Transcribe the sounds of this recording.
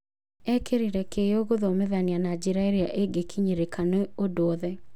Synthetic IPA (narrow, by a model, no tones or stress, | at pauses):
ɛkeɾiɾɛkejoɣoðomeðanianad͡ʒiɾaeɾia̰ʔeɡekʰiɲeɾekʰaneodoɔðɛ